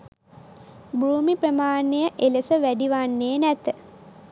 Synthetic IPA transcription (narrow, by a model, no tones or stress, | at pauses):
bɾuːmipɾəmaːnejəʔelesəʋæɖiʋanːeːnæt̪ə